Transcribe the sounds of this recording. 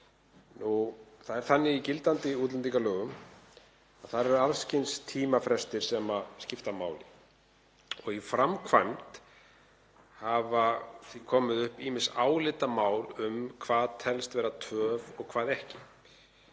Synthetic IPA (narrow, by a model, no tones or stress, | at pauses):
nuθaðɛɾθanːɪicɪlt̪ant̪ɪuːt̪lɛnt̪ikalœːɣʏm | aðθaðɾɛɾɾalscɪnst̪ʰiːmafɾɛst̪ɪɾ̥sɛmascɪft̪amaːwlɪ | ɔɣifɾamkʰvajmt̪ | havaθikʰɔːmɪðʏhpiːmɪnsaːwlɪt̪amaːwlʏmkʰvaːðt̪ʰɛlst̪vɛːɾat̪ʰœːvɔɣkʰv̥aːðɛhcɪ